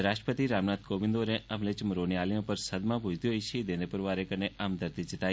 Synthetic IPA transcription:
ɾaʃʈɾə̥pət̪iɾamnat̪̚koʋĩnd̪oɾẽʔəmlet͡ʃəmɾonialijõpəɾsəd̪mãbʱud͡ʒt̪iɦojt͡ʃʰid̪end̪epəɾʋaɾekəneʔamd̪əɾt̪it͡ʃit̪a

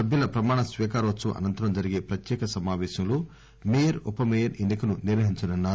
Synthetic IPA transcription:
ɐbjɐlɐpɾɐmaːɳɐsʋiːkaːɾɐʋɐt͡ʃːuʔɐ̰nɐnt̪ɐɾɐmd͡ʒɐɾiɡeːpɾɐt̪jɛːkɐsɐmaːʋɛːʃɐmloː | mijɐɾupɐmejɐɾenːikɐnuniɾʋɐɦiɲt͡ʃɐnɐnːaːɾu

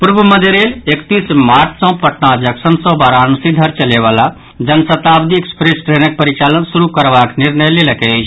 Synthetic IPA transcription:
puɾbəməd̪ʱeɾelekt̪ismaːɾtʰsɔ̃pəʈnãd͡ʒəksənsɔ̃baɾansid̪ʱəɾt͡ʃəleʋala | d͡ʒənsət̪abd̪iekspɾesʈɾenək̚pəɾit͡ʃalənsuɾukəɾbakniɾnəjleləkɛt͡ʃʰ

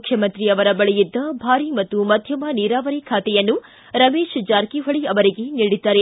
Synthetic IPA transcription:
kʰjɐmɐnt̪ɾiɐʋɐɾɐbɐɭɛjid̪ːɐbʱaːɾimɐt̪ːumɐd̪ʱjɐmɐniːɾaːʋɐɾikʰaːt̪ɛjɐnːu | ɾɐmeːʃd͡ʒaːɾkiɦɐɭiɐʋɐɾiɡe̞niːɽid̪ːaːɾe

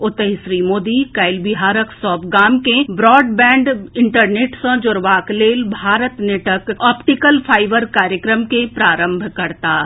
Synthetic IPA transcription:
ʊt̪əɦisɾiːmoːd̪ikaːɪlbɪɦaːɾəksɔːbɡaːmkebɾɔːɖbɛ̃ːɳɖɪ̃ɳʈəɾneːʈsə̃d͡ʒʊɾʋaːkleːlbʱaːɾət̪neʈəkɔːpʈɪkəlpʰaːɪʋəɾkaːɾjəkɾəmkepɾaːɾə̃mbʱkɐɾt̪aː

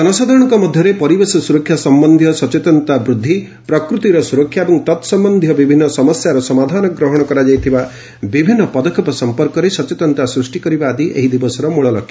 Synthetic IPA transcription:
ɡɔnɔsad̪ʱaɾɔɽ̃ɔŋkɔmɔd̪ʱjɔɾepɔɾibesɔsuɾɔkʰːjasɔmbɔnd̪ʱjɔsɔt͡ʃet̪ɔnt̪abɾud̪ʱːi | pɾɔkɾut̪iɾɔsuɾɔkʰːjaebɔŋt̪ɔt̪sɔmbɔnd̪ʱjɔbibʱinːɔsɔmɔsjaɾɔsɔmad̪ʱanɔɡɾɔɦɔɽ̃ɔkɔɾad͡ʒajt̪ʰiba | bibʱinːɔpɔd̪ɔkʰepɔsɔmpɔɾkɔɾesɔt͡ʃet̪ɔnt̪asɾusʈikɔɾibaːd̪iʔḛɦid̪ibɔsɔɾɔmuɭɔlɔkʰːjḁ

